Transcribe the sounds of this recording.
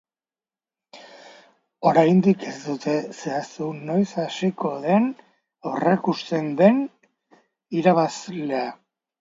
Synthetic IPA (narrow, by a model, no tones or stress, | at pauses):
o̞ɾajnd̪ike̞sd̪ut̪ʰe̞se̞asuno̞jsasiko̞ðe̞n | awrekust̪e̞nd̪e̞n | iɾaβasle̞a